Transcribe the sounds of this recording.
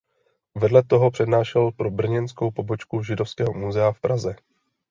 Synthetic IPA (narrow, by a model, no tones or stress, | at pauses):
vɛdlɛt̪o̞ɦo̞pr̝̥ɛdnaːʃɛlpɾobr̩ɲɛnsko̞wpo̞bo̞t͡ʃkuʒɪdo̞fskɛːɦomuzɛafpɾʔazɛ